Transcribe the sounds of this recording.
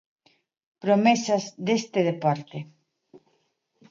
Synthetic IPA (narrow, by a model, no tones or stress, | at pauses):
pɾomesɐzðest̪eðepoɾt̪e